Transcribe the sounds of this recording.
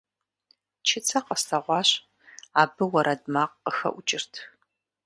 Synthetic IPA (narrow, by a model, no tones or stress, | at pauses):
t͡ʃʰɪt͡sʰɐqəstʰɐʁʷɑːɕ | aːbɨwɐɾʔɐdmaːqːəxɐ̰ʔʷʊt͡ʃʼɪrtʰ